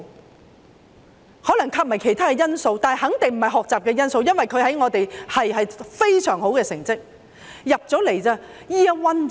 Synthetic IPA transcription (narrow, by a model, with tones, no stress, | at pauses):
hɔː˨˥lɐ˨˩ŋkʰaː˧˥p̚mɐ˨˩jkʰe˨˩jt̪ʰaː˥kɛː˧jɐ˥nso˧wt̪aː˨n˨jɦɐ˨˥ŋt̪ɪ˨ŋm̩˨˩hɐ˨˩jɦɔː˨k̚t͡saː˨p̚kɛː˧jɐ˥nso˧wjɐ˥nwɐ˨jkʰɵ˨˧ɥɦɐ˨˥jŋɔː˨˧t̪e˨jhɐ˨jɦɐ˨jfe˥jsœː˨˩ŋho˨˥wkɛː˧sɪ˨˩ŋt͡sɪ˥k̚ | jɐ˨p̚t͡sɔː˨˥le˨˩jt͡saː˧ | jiː˥ɐ˥wɐ˥n